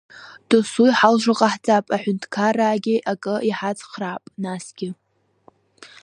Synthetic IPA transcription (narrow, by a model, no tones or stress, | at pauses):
d̥ɨsujħalʒʷaqʼaħd͡zʼapʼaħʷʊntʰkʰaraːɡʲɪʔakʼɨiħad͡zχrapʼnasɡ̥ʲɪ